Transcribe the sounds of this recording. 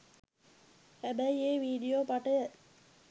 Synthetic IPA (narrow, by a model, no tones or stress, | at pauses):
hæbəieːʋiːɖijoːpaʈəjə